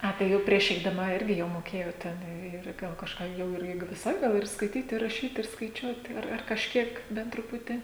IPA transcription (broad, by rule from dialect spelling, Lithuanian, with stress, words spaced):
ˈɐ tɐɪ ˈjɛʊ pʲrʲiɛʃ ɛɪdɐˈmɐ ˈɪrʲɡʲɪ jɛʊ moːˈkʲeːjoːt ˈtʲɛn ɪr ˈɡɐlˠ kɐʃˈkɑː ˈjɛʊ ɪr ˈɪ ʋʲɪˈsɐɪ ˈɡɐlˠ ɪr skɐɪˈtʲiːt ɪ rɐˈʃʲiːt ɪr skɐɪˈt͡ʃʲuɔt ɐr ɐr kɐʃʲˈkʲiɛk ˈbʲɛnt trʊˈpʊtʲiː